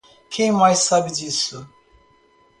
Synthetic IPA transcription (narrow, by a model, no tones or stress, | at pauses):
kʰẽj̃majsːabɪd͡ʒisʊ